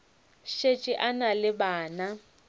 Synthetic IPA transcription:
ʃet͡ʃʼɪʔanalɪbaːna

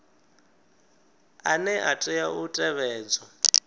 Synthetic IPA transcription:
anɛʔatʼɛjautʼɛβɛːd͡zɔ

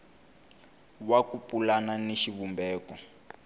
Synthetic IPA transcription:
wakupulananeʃiβumbɛːkɔ

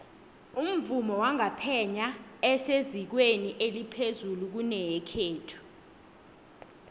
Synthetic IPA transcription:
um̩vumɔwaŋapʰɛɲaɛsezik̬weniʔelipʰezuluk̬unɛjɛkʰeːtʰu̥

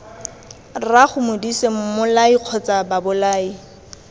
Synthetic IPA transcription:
raχʊmʊdisemmʊlaiq͡χʰɔt͡sababʊlaːi

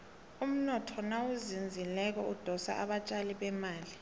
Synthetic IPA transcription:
um̩nɔtʰɔnawuzind͡zʱilɛk̬ɔud̥ʱɔsa̰ʔaɓat͡ʃʼaliɓɛmaːli

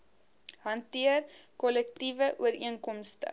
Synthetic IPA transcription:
ɦɐntiərkɔlɛktivəʔuəɾiənkɔmstə̰

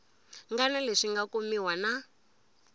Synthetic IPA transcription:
ŋɡanɛleʂiŋɡakomiwana

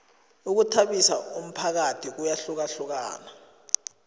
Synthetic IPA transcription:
uk̬utʰaɓisaum̩pʰak̬atʰik̬ujaɬuk̬aɬuk̬a̰ːna

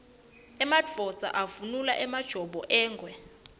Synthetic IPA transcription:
ɛmadvɔd̥z̥ʱa̰ʔavunulaʔɛmad̥ʒ̥ʱɔɓɔʔɛːŋɡʱwɛ

